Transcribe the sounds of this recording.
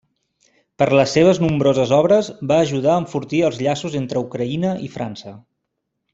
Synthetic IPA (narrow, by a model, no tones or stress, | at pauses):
pəɾləsːeβ̞əznumbɾozəzɔβ̞ɾəzβaːʒuð̞aəɱfuɾt̪iəlˠzʎasuzent̪ɾəukɾəinəʔifɾa̰nsə